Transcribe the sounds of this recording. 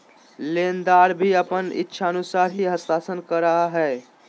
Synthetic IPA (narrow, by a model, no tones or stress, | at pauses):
lend̪aɾbʱiəpənḭtːʃʰaənusaɾɦiɦəst̪asənkəɾəɦaɦɛ